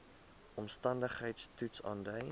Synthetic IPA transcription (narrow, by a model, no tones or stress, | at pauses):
ʔɔmstɐndəχɦəjtstutsɑ̰ːndœj